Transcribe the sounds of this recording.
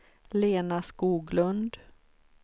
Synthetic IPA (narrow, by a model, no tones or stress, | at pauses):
leːnaskuːɡlɵnd̪